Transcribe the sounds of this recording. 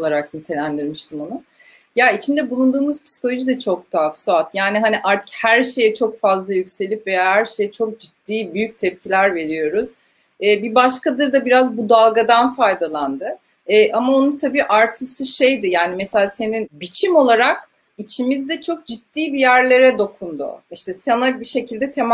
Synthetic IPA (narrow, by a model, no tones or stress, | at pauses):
lˠaɾak̚nint̪ʰe̞lʲænd̪iɾmiʃt̪ʰimonu | jait͡ʃʰind̪ɛbulˠund̪uːmuz̥pʰi̥si̥ko̞lʲˠoʒid̪ɛt͡ʃʰo̞k̚t̪ʰafsuat̪jaːniɦaniʔaɾt̪ʰɯ̥chæɾʃe̞jɛt͡ʃʰo̞kfazlˠajycʲse̞lʲipvejahæɾʃe̞jɛt͡ʃʰo̞k̚d͡ʒit̪ːiːbyjyc̚t̪ʰɛp̚cʰilʲæɾve̞ɾijo̞ɾuz̥ː | bibaʃkad̪ɯɾd̪abiɾazbud̪alˠɡad̪anfajd̪alˠand̪ɯ | ɛːʔamao̞nunt̪ʰabiːʔaɾt̪ʰɯsɯʃe̞jd̪ɪjaːnimese̞lʲaːse̞ninbit͡ʃʰimo̞lˠaɾak̚ | it͡ʃʰimizd̪ɛt͡ʃʰo̞k̚d͡ʒit̪ːiːbijæɾlʲe̞ɾɛd̪o̞kʰund̪uʊ̰iʃt̪ʰɛsanabiʃe̞cʰilʲd̪ɛt̪ʰem